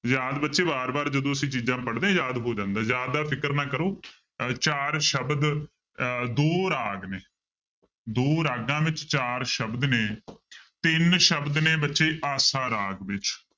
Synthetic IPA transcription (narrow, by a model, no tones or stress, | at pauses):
zaːd̪bətːʃeːbaːɾbaːɾd͡ʒəd̪õːəsĩːt͡ʃiːzãːpəɽd̪ẽːjaːd̪ɦoːd͡ʒãːnd̪aːzjaːd̪aːpʰɪkəɾnaːkəɾoː | t͡ʃaːɾʃəbd̪ | d̪oːɾaːɡneː | d̪oːɾaːɡãːʋɪt͡ʃt͡ʃaːɾʃəbd̪neːt̪ɪnʃəbd̪neːbətːʃeːʔaːsãːɾaːɡʋɪt͡ʃ